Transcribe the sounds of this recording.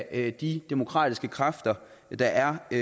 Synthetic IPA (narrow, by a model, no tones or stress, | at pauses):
d̥id̥emo̝kʰʁɑ̰̈ːd̥isɡ̥əkʰʁɑ̈fd̥ɐ | d̥ɑ̈ʔæɐ